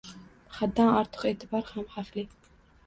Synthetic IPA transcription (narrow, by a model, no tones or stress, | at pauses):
χad̪ːanɑɾt̪ʰə̥qeːt̪ʰɪbɑɾhamhafli